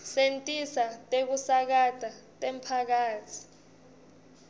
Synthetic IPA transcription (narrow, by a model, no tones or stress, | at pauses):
sentʼisatʼek̬usak̬ad̥ʱatʼempʰak̬aːtʰi̥